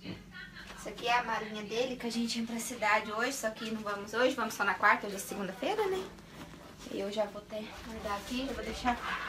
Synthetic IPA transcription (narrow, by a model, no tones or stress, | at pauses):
isɐkɪɛɐmaɾĩɲɐd̪elɪkɪaʒẽnt͡ʃɪẽj̃pɾɐsid̪ad͡ʒɪoʒɪsɔkɪnɐ̃w̃vɐ̃mʊzoʒɪvɐ̃mʊsɔnɐkwaɾt̪ɐoʒɪd̪ɛsseɡũnd̪ɐfejɾɐnɛ | ɪ̰ewʒavot̪eɐ̃d̪akiʒavod̪ejʃa